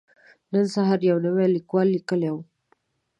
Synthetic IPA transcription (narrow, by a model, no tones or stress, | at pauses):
nənsaɦaɾjawnəwelikwɑlːikəlew